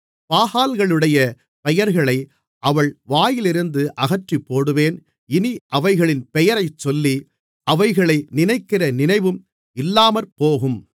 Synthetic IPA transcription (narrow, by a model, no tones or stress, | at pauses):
paːhaːlɣɐɭɯɽɐjɐ | pɛjɐɾɣɐɭɐɪ | ʔɐʋɐɭʋaːjɪlɪɾɯnd̪ɯʔɐɣɐʈripːoːɽɯʋeːn | ɪniʔɐʋɐɪɣɐɭɪnpɛjɐɾɐɪt͡ʃːɔlːi | ʔɐʋɐɪɣɐɭɐɪnɪnɐɪkːɪrɐnɪnɐɪʋɯm | ɪlːaːmɐɾpoːɣɯm